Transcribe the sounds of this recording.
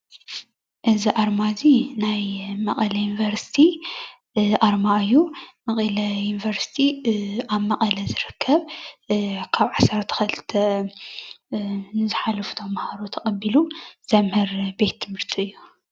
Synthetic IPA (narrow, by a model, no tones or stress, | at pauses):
ʔɨziʔaɾmazinajmɐqʼɐlɐjunvɐɾsi̥t̪ʰi | ʔaɾmaɨjːumɐχʼɐlɐjunivɐɾsi̥t̪ʰiaβmɐqʼɐlɐzɨɾɨkʰːɐβ | kʰaβʕasɐɾt̪ʰɐ̥xɐlɨt̪ʰɐ | nɨzɨħalɐfu̥t̪ʰomːɐhaɾot̪ʰɐkʼɐbiluz̥ɐmhɨɾbe̞t̪ʰːɨmɨɾt̪ʰiɨjːu